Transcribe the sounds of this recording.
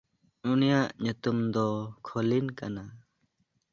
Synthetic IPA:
unijaʔɲut̪umd̪ɔkʰɔlinkana

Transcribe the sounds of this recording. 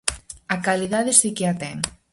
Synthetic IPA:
akaliðaðesikeat̪ɛŋ

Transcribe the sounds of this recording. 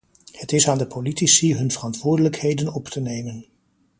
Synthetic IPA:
hətɪsaːndəpʰolitisiɦɵnvərɑntʋʊːɹdələkhejdənɔptʰənejmən

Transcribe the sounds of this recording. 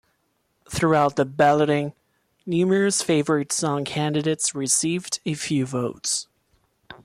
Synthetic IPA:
θɹuaʊt̪̚ðɨbælˠəɾɪ̃ŋ | nʉmə˞ɨsfeɪvə˞ɨtsɔ̃ŋkʰæ̃ndɨɾeɪtsɹɨsivdɨfjʉvoʊts

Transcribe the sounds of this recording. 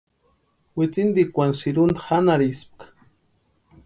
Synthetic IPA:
wɪt͡sɪnd̪ikʷansiɾund̪ḁhanaɾisp̚qḁ

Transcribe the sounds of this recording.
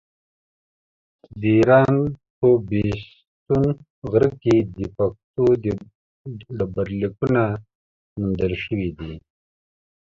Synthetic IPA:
d̪iːɾɑːnpəbes | t̪un | ɣɾəkid̪əpak̚t̪ud̪ | ɖəbaɾlikuna | mund̪əlʃəwid̪i

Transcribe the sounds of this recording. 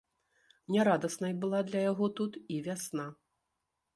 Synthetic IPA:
nʲɛɾad̪ɐsnɐjbɨlˠad̪lʲɐjaɣɔt̪ut̪ivʲasna

